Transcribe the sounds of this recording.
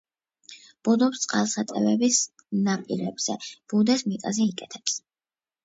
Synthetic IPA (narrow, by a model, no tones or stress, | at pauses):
b̥ud̪ɔpst̪sʼqʼalˠsat̪ʼɛvɛbis | napʼiɾɛbz̥ɛb̥ud̪ɛsmit̪ʼazɛikʼɛt̪ʰɛps